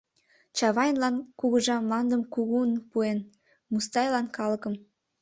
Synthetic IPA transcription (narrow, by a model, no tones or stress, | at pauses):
t͡ɕɑβɑjnlɑnkuɣəʒɑmlɑnd̪əmkuɣunpuen | must̪ɑjlɑnkɑləkəm